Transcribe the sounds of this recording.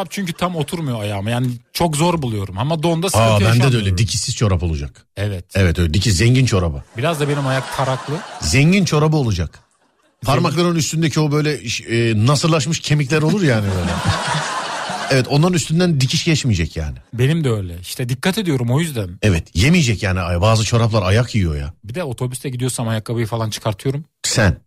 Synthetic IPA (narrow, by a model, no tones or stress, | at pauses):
ap̚t͡ʃʰyɲcyt̪ʰamo̞t̪ʰuɾmujoajaːmjaːnit͡ʃʰo̞kzo̞ɾbulˠujo̞ɾumamad̪o̞nd̪asaabænɛd̪ɛø̞jlʲɛd̪icʰisːizt͡ʃʰo̞ɾapo̞lˠud͡ʒa̰k | ɛvɛt̪ɛvɛt̪øɛd̪icʰizɛɲɟint͡ʃʰo̞ɾabɯbiɾazd̪abenimajak̚pʰaɾaklˠɯzɛɲɟint͡ʃʰo̞ɾabɯo̞lˠud͡ʒak | pʰaɾmaklˠaɾɯnnyst̪ynd̪ecʰio̞bø̞jlʲɛʃɛːnasɯllːˠaʃ̬mɯʃcʰe̞miclʲæɾolˠuɾjaːnibøjlʲɛ | ɛvɛt̪ʰo̞nˠaɾɯnyst̪ynd̪ænd̪icʰiʃɟɛt͡ʃmijd͡ʒɛcja̰ːnɪbe̞nimd̪ɛøjlʲɛi̥ʃt̪ɛd̪ikʰːat̪ʰed̪ijo̞ɾumo̞jyzd̪ænɛvɛt̪jemijd͡ʒɛcjaːniabaːzɯt͡ʃʰo̞ɾaplˠaɾajakʰjijo̞̰ja̰bid̪ɛo̞t̪ʰo̞byst̪ʰɛɟid̪ijoɾsamajakːabajɯfalˠant͡ʃʰɯ̥kʰaɾt̪ʰɯjo̞ɾum | sæn